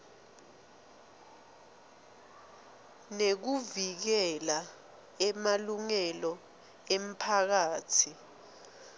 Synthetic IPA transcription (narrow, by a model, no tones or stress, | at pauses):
nek̬uvik̬ɛla | ɛmaluŋɛlɔ | em̩pʰak̬aːtʰi